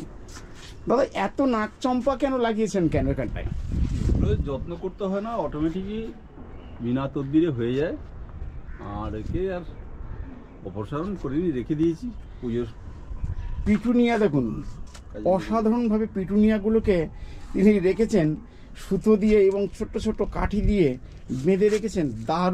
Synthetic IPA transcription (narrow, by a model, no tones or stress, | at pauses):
d̪ad̪aʔɛt̪onak̚t͡ɕɔmpakɛnolaɡijet͡ɕʰenkɛnoekʰaɳʈa̰juloed͡ʑɔt̪nokoɾt̪eɦɔenaɔʈomeʈiki | binat̪od̪̚biɾeɦojed͡ʑae | a̰ɾekeaɾ | ɔpoʃaɾonkoɾeniɾekʰed̪ijet͡ɕʰipud͡ʑoɾ | piʈʰunijad̪ekʰun | ɔʃad̪ʱaɾonbʱabepɾiʈunijaɡuloket̪iniɾekʰet͡ɕʰen | ʃud̪ʱːod̪ijeeβoŋt͡ɕʰoʈːot͡ɕʰoʈːoka̰ʈʰid̪ije | med̪ʱeɾekʰet͡ɕʰend̪a